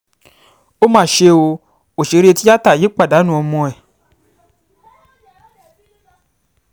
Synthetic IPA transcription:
o˦mãː˦˨ʃe˧o˧ | o˨ʃe˨˦ɾe˧ti˦a˦ta˦˨ji˨˦k͡pa˦˨da˨˦nũ˦˨ɔ˧mɔ̃˧ɛ˨

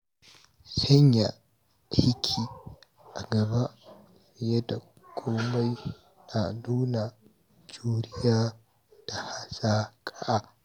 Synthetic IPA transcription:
sɐ˦ɲja̰˨ | hɪ˦kʲʰiː˨ | ʔa˨ɡɐ˨ba˦ | ɪ˨jɐ˦da˨ | kʷʼoː˦ma˦j | na˨nuː˦na˨ | d͡ʒuː˦ɾɪ˦jaː˦ | d̥a˨ha˦saː˦kʼa˦ʔa˦

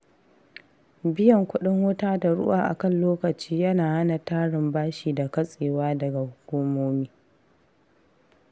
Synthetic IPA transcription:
bɪ˦jɐ˨ŋkʷʊ˦ɗɪ˦ŋwʊ˦taː˦da˨ɽʊ̰˦ʔa̰ː˨ʔa̰˨kɐ˦˨nloː˦kɐ˨t͡ʃiː˦jɐ˦naː˨ha˦na˨taː˦ɽɪ˨mbaː˦ʃiː˨da˨kɐ˦sʼeː˨waː˦dɐ˨ɡa˨hʊ˦kʷuː˦moː˦miː˦

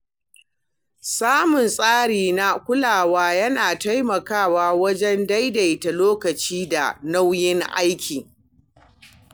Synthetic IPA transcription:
saː˦mʊ˨nsʼaː˦ɽiː˨na˦kʷʊ˦laː˨waː˦jɐ˦naː˨ta˦jmɐ˨kaː˦˨waː˦wɐ˦d͡ʒɛ˦nda˦jda˨jta˨loː˦kɐ˨t͡ʃiː˦da̰˨na˦wjɪ˦ŋʔa̰˦jkʲʰiː˨

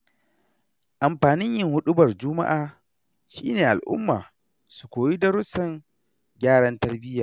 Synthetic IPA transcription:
ʔa˨mɸaː˨nɪ˦ɲjɪ˦ŋhʊ˦ɗʊ˦bɐ˨rd͡ʒʊ˦ma̰˦ʔaː˨ | ʃiː˦neː˨ʔa˨lʔʊ̰˦mːaː˨ | su˨kʷoː˨ji˦dɐ˦ɾʊ˦sɐ˨ŋ | ɡʲaː˦ɽɐ˦ntɐ˦rbɪ˦jaː˨

